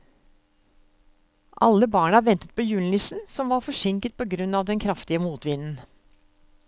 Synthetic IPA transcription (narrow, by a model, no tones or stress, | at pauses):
ʔɑ̰lːəbɑːɳəɑʋɛnt̪ət̪̚pʰoːjʉːln̩ɪsn̩sɔmʋɑːɾfɔʂɪŋkət̪̚pʰɔːɡɾʉnːɑːʋd̪ɛnkʰɾɑft̪ɪəmuːt̪ʋɪnn̩